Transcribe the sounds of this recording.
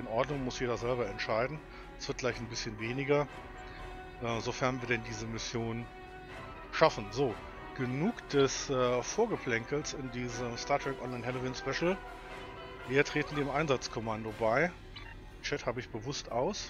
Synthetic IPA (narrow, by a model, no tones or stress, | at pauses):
ʔɪnʔɔɐdnʊŋmʊsjeːdɐzɛlbɐɛntʃaɪdn̩ | ɛsv̥ɪɐt̚ɡ̥laɪçnbɪsçənveːnɪɡɐ | ʔɛːzofɛɐnviːɐdɛndiːzəmɪsjoːn | ʃafn̩zoː | ɡ̥ənuːkd̥ɛsʔɛːfoːɐɡəpʰl̥ɛŋkl̩sɪndiːzəmstaːɐtʰʁ̥ɛkʔɔnlaɪnhɛloviːnspɛʃl̩ | viːɐtʁ̥eːtn̩deːmʔaɪnzat͡skʰɔmandobaɪ | t͡ʃɛthaːbəɪçb̥əvʊstʔaʊs